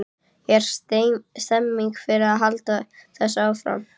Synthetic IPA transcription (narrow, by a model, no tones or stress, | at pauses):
jɛɾ̥st̪est̪ɛmːiŋkfɪɾɪaðɦalt̪aθɛsːafɾa̰m